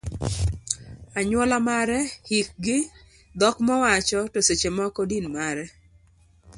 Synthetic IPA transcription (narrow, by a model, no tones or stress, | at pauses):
aɲwɔlamaɾɛhik̚ɡɪ | d̪ɔkmɔwat͡ʃɔtoset͡ʃemɔkɔdinmaɾɛ